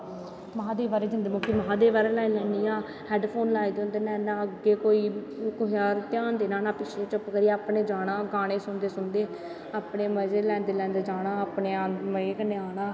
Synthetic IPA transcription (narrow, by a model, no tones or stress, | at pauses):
maɦãːd̪eːʋaːɾeːd͡ʒənd̪eːmõːkiːməãːd̪eːʋaːɾeːlaːilɛ̃ːniːaː | hɛːɖpʰoːnlaːid̪õːnd̪eːnɛ̃ːnaːəɡːeːkoːiː | kʊɦjaːɾt̪jaːnd̪eːnãːnaːpɪt͡ʃʰeːt͡ʃəpkəɾiːaːpneːd͡ʒaːɽãːɡaːɽ̃eːsʊnd̪eːsʊnd̪eː | aːpneːməd͡ʒeːlɛ̃ːnd̪eːlɛ̃ːnd̪eːd͡ʒaːnaːapneːaːməeːkəneːaːnaː